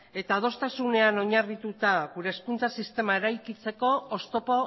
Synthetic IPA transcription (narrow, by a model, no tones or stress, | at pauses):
e̞t̪að̞o̞st̪asune̞ano̞ɲarit̪ut̪aɣuɾe̞ːskunt͡sasist̪e̞mae̞ɾajkit͡se̞ko̞ːst̪o̞po̞